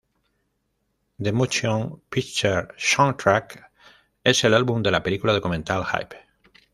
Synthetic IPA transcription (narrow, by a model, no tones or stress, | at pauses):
d̪emot͡ʃjõŋpikt͡ʃeɾʃɔ̃nt̪ɾak | e̞se̞lalβumd̪e̞lape̞likulaðo̞kumẽnt̪alha̰jp